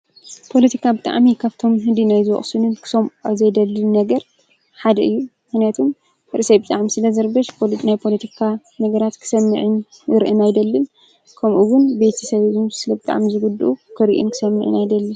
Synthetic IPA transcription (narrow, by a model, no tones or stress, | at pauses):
pʰo̞lɐt̪ʰi̥kʰabɨt̪ʼa̰ʕmikʰaβt̪ʰo̞mɦɨd̪inajzɨwɔ̰χʼsɨnɨnkʰɨ̥so̞maβzɐjd̪ɐlːɨnnɐɡɐɾ | ħad̪ɐʔɨjːumɨxnijat̪ʰum | ɨɾɨsɐjbɨt̪ʼaʕmisɨlɐzɐɾbɐʃpʰonajpʰolɐt̪ʰikʰa | nɐɡɐɾat̪kʰɨ̥sɐmːɨʕɨn | ɨɾʔɨnajd̪ɐlːɨn | kʰɐmʔuwʊnbe̞t̪ʰɐsɐββɨnsɨlɐbɨt̪ʼa̰ʕmizɨɡud̪ʔukʰɨɾiʔṵnkʰɨ̥sɐmːɨʕɨ̰najd̪ɐlːɨ